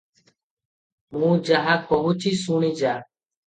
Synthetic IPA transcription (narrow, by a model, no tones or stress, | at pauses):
mũːd͡ʒaɦaːkʰobut͡ʃʰiːsuɳiːd͡ʒaː